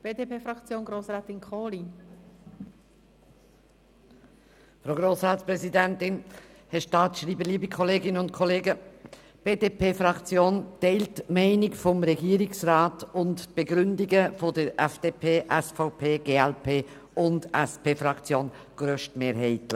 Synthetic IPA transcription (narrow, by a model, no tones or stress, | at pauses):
b̥eːdepeːfɾaɑkt͡sjoːnɡɾoːsɾaːtɪnkʰoːli | fɾoːɡɾoːsɾaːtspɾɛzidɛntɪn | hɛʃtɑːtʃɾiːbəliːbikʰɔleːɡɪnəʊntkʰɔleːɡə | b̥eːdeːpeːfɾɑkt͡sjoːntɛɪltmɛɪnɪkfɔmɾɛɡiːəɾɪksʁaːtʊntb̥eɡɾʏndɪɡəfodəɾʔɛfd̥eːpʰeːʔɛsfɔʊpʰeːɡ̥eːɛlpʰeː | ʊndɛspeːfɾɑkt͡sjoːn | ɡ̥ɾøʃtmeːɾhɛɪtlɪ